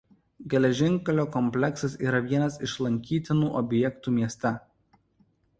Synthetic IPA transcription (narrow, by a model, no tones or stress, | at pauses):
ɡʲɛlʲɛʒʲɪŋˑkɐlʲoːkɔmʲpʲlʲɛksɐsiːɾɐʋʲiɛnɐsɪʃlˠɐŋʲkʲiːt̪ʲɪnuːʔɔbʲjɛkt̪uːmʲiɛsʲt̪ʲɛ